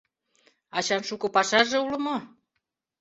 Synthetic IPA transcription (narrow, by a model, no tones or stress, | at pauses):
ɑt͡ɕɑnʃukŏpɑʃɑʒeulə̆mo